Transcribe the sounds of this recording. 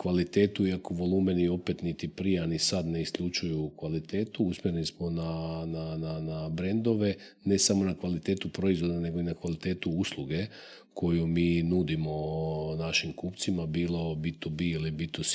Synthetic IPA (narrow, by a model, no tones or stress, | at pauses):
kʋalit̪e̞ːt̪uiakoʋo̞lˠuːmenio̞pe̞t̪nit̪ipɾijeanisad̪ne̞iskʎut͡ʃujukʋalit̪e̞ːt̪uusmeɾnismo̞nanananabɾe̞nd̪o̞ʋe̞ | ne̞samonakʋalit̪e̞ːt̪upɾo̞izvʋo̞d̪ane̞ɡo̞inakʋalit̪e̞ːt̪uuslˠuɡe̞ | kʰo̞jumiːnud̪imo̞naʃimkupt̪simabiːlˠo̞bit̪ubiilibit̪us